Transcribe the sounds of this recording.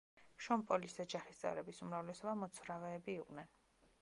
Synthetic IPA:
ʃɔmpʼɔlisɛd͡ʒaχist̪sʼɛ̰vɾɛbisumɾavlɛsɔbamɔt̪sʰvɾavɛːbiːqʼnɛn

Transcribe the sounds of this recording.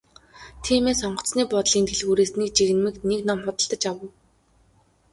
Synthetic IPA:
t̪ʰiːmeːsɔɴɢɞ̆t͡sniːpɔt̪ɮiːnt̪ʰeɮɣuːɾeːsniːk̚t͡ɕiɣɘ̆nmɘ̆kneknɔmχʊt̪ə̆ɮt̪ə̆t͡ɕawə̆w

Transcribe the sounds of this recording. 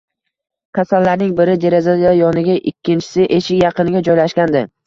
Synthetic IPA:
kʲʰasalːaɾnɪŋbɪɾɪd̪e̞ɾezad̪aajɒnɪɡʲaʔɪkʲʰːɪnt͡ʃʰɪ̥sɪʔe̞ʃɪkʲjɑqɨnɪɡʲad͡ʒɒjlaʃkʲand̪ɪ

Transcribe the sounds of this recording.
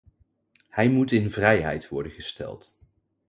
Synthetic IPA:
hɛjmutɪnvrɛjɦɛ̰jtʋɔ̰ɹdənχəstɛ̰lˠt

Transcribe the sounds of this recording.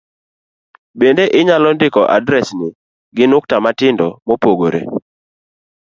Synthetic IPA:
bendeʔɪɲalɔndɪkɔʔadɾɛsnɪ | ɡɪnʊk̚tamatɪndɔmopoɡoɾḛ

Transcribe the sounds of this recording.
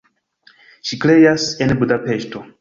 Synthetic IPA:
ʃikɾejasenbudape̞ʃto̞

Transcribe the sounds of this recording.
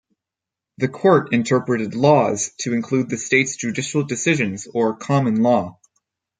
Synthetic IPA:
ðɨkʰɔɹɾɨ̃ntʰɜ˞pɹɨɾɨdˡlɔz̥tʰɨɨ̃nkʰl̥ud̪̚ðɨsteɪtsd̥ʒ̥ʉdɪʃl̩ˠdɨsɪʒɨ̃nzə˞kʰɑmɨ̃nlɔ

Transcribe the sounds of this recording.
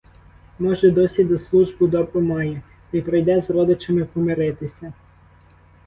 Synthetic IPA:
mɔʒɛd̪ɔsʲid̪ɐslˠuʒbʊd̪ɔbɾʊmɑjɛ | t̪ɐjpɾɔjd̪ɛzrɔd̪ɪt͡ʃɐmɪpɔmɪɾɪt̪ɪsʲɐ

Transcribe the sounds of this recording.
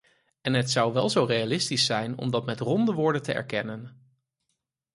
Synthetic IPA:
ɛnɦətsɑwʋɛlˠzowrejalɪstisɛjnɔ̰mdɑtmɛtrɔndəʋʊːɹdəntəɛ̰ɹkɛnən

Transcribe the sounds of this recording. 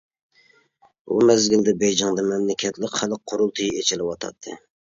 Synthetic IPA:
ṵmɛzɡʲɪld̪ɛbɛjd͡ʒɑŋd̪ɨmɛmlɪkʲʰɛt̪lɪkʲχælɪk̚qʰːoɾulˠt̪ʰɨjiet͡ʃʰɪlɪwɑt̪ʰɑ̰t̪ʰːɨ̰

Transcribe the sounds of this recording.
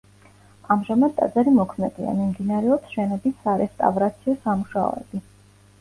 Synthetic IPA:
amʒamad̪ːʼa̰d̪zaɾimɔkʰmɛd̪ḭa̰mimd̪inaɾɛɔpsʃɛnɔbisːaɾɛst̪ʼa̰vɾat̪sʰiɔsamuʃaɔ̰ɛ̰b̥i

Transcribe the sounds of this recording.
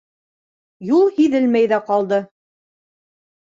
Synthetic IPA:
julˠhiðɘlmæjðæqɑlˠd̪ɤ

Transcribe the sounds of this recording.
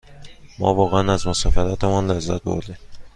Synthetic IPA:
mɒ̰ːvɒːɣeænæzmosɒːfæɾɒt̪ʰemɒnlezːæ̰t̪̚bo̰ɾd̪i

